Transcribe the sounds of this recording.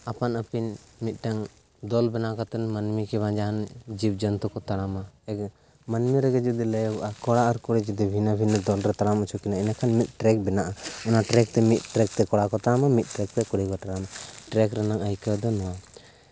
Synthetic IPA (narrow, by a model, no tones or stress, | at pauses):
apanəpinmit̪̚ˀʈaŋ | d̪ɔlbɛnakat̪ɛnmənmikɛβãd͡ʒaɦand͡ʒib̚d͡ʒənt̪ɔkɔt̪aɽamaɛk | mənmiɾɛɡɛd͡ʒud̪iləjɔɡʔakɔɽaʔaɾkɔɽɛd͡ʒɔd̪ibʱinabʱinad̪ɔlɾɛt̪aɽamat͡ʃʰukinainakʰanmit̪̚ˀʈɾɛk̚bɛnaʔaɔnaʈɾɛk̚t̪ɛmit̪̚ˀʈɾɛk̚t̪ɛkɔɽakɔt̪aɽamamit̪̚ˀʈɾɛk̚t̪ɛkɔɽikɔʈaɽamaʈɾɛkɾɛnaŋəjkəd̪ɔnɔwa